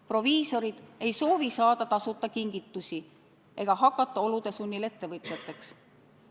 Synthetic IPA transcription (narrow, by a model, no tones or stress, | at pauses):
pro̞viːso̞ɾid̪̥e̞jso̞ːvisɑːd̪ɑt̪ɑsut̪ˑːɑkiŋɡ̥it̪ːˑusi | ʔe̞ɡ̥ɑɦɑkːˑɑt̪ˑːɑo̞lud̪̥e̞sunʲːile̞t̪ːe̞vɤt̪ʲjɑt̪ːˑe̞ks